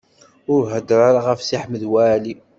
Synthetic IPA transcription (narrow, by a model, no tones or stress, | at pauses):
ʊɾɦəd̪ɾaɾaʁəfsiħməðwæːli